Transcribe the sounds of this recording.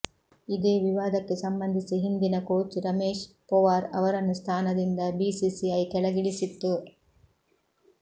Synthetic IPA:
id̪eːʋiʋaːd̪ɐkːe̞sɐmbɐnd̪ʱisiɦind̪inɐkoːt͡ʃuɾɐmeːʃ | pɔʋaːɾɐ̰ʋɐɾɐnːust̪ʰaːnɐd̪ind̪ɐbisiːsiɐjk̪ɛɭɐɡiɭisit̪ːu

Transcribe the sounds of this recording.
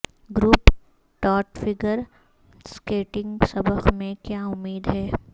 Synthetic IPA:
ɡɾuːp | ʈɔːʈfɪɡəɾ | skeːʈɪ̃ŋɡsɐbəkmẽkjaʊmːiːd̪ɦɛː

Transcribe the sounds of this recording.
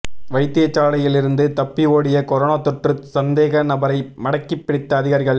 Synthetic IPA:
ʋɐɪt̪ːɪjɐt͡ʃːaːlɐjɪlɪɾɯnd̪ɯt̪ɐpːɪoːɽɪjɐkɔɾoːnaːt̪ɔʈrɯsɐnd̪eːɣɐnɐbɐɾɐɪmɐɽɐkːɪpːɪɽɪt̪ːɐːðɪɣaːɾɪɣɐɭ

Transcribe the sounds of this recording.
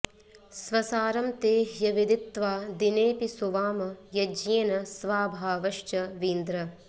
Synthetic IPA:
sʋɐsaːɾɐmt̪eːɦjɐʋid̪it̪ːʋaːd̪ineːpisuʋaːmɐjɐd͡ʒiɐnɐsʋaːbʱaːʋɐʃt͡ʃɐʋiːnd̪ɾɐ

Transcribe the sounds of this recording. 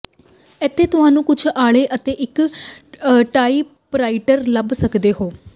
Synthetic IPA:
ɛt̪ʰːeːt̪ʊɦaːnũːkʊt͡ʃʰaːɭeːʔət̪eːʔɪk | ʈaːiː | pɾaːɪʈəɾləbsəkd̪eːɦoː

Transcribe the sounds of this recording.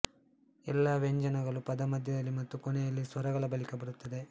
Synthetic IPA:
ɛlːɐʋeɲd͡ʒɐnɐɡɐɭupɐd̪ɐmɐd̪ʱjɐd̪ɐlːimɐt̪ːukonɛjɐlːisʋɐɾɐɡɐɭɐbɐlikɐbɐɾut̪ːɐd̪e̞

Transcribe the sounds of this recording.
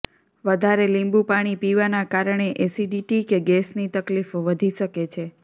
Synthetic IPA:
ʋəd̪ʱaɾelĩmbupaɽ̃ipiʋanakaɾɳ̃eʔesiɖiʈikeɡɛsnit̪əklifʋəd̪ʱiʃəket͡ʃʰe

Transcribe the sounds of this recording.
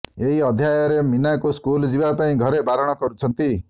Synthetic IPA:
eɦiɔd̪ʱjajɔɾeminajkuskuld͡ʒibapaĩɡʱɔɾebaɾɔɽ̃ɔkɔɾut͡ʃʰɔnt̪i

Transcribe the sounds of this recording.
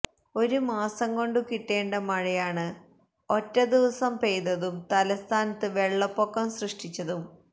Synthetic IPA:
o̞ɾumaːsɐŋko̞ɳɖukiʈːe̞ːɳɖɐmɐɻɐjaːɳɨ | o̞tːɐd̪iʋɐsɐmpejðɐðumt̪ɐlɐst̪ʰaːnɐt̪ːɨʋe̞ɭːɐpːokːɐmsrɨʂʈit͡ɕːɐðum

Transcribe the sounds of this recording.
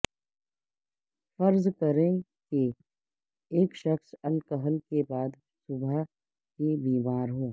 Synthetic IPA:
fəɾzkəɾẽ | ke | eːkʃəxsɐlkəɦəlkebaːd̪ | sʊbʱə | kebiːmaːɾɦoː

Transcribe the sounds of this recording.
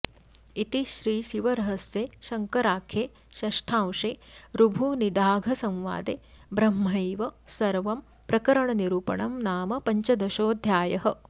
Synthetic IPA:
it̪iʃɾiːʃiʋɐɾɐɦɐsjeːʃɐŋkɐɾaːkʰeː | ʃɐʂʈʰãːwʂeːɾubʱunid̪aːɡʱɐsɐ̃mʋa̰ːd̪eː | bɾɐmːɐjʋɐsɐɾʋɐm | pɾɐkɐɾɐɳɐniɾuːpɐ̰ɳɐmnaːmɐpɐɲt͡ʃɐd̪ɐʃoːd̪ʱjaːjɐɦɐ

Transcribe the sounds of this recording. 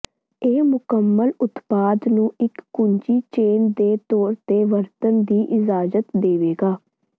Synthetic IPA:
eːmʊkəmːəlʊt̪paːd̪nũːʔɪkːʊɲd͡ʒiːt͡ʃeːnd̪eːt̪ɔːɾt̪eːʋəɾt̪ənd̪iːʔɪd͡ʒaːzət̪d̪eːʋeːɡaː

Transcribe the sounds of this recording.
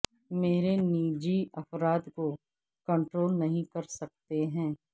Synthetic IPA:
meːɾeniːd͡ʒiɐfɾaːd̪ko | kɐ̃ɳʈɾoːlnɐɦĩkɐɾsɐk̚t̪eɦɛ̃ː

